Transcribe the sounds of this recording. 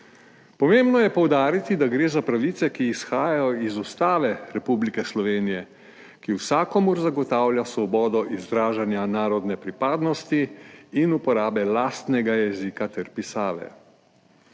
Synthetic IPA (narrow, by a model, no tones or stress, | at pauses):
pɔmeːmbnɔjɛpɔwd̪aːɾit̪id̪aɡɾeːzapɾaʋit̪sɛkiːsxaːjajɔizust̪aːʋɛɾɛpublikɛslɔʋeːnijɛ | kiwsaːkɔmuɾzaɡɔt̪aːwljasʋɔbɔːd̪ɔʔizɾaːʒanjanaːɾɔd̪nɛpɾipaːd̪nɔst̪iːnupɔɾaːbɛlaːst̪nɛɡajɛzikat̪ɛɾpisaːʋɛ̰